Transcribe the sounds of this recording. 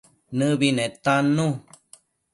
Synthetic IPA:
nɨ̃βinẽt̪anũ

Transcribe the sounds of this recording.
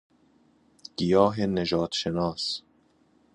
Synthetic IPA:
ɡ̥ijɒːɦeneʒɒːd̪ʃenɒːs

